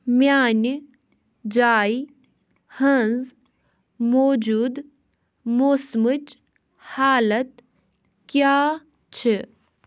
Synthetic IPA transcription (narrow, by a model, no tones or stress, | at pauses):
mjaːn | d͡ʒaːi | hɐ̃nz | moːd͡ʒuːd̪ | moːsmət͡ʃ | haːlət̪ | kjaː | t͡ʃʰe